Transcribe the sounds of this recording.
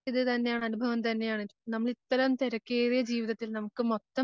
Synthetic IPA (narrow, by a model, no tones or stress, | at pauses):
iðɨt̪ɐnːejaːɳɐnubʱɐʋɐmt̪ɐnːe̞jaːɳinɐmːɐɭit̪ːɐɾɐmt̪eɾɐkːeːðijɐd͡ʑiːʋiðɐt̪ːilnɐmukːɨmot̪ːɐ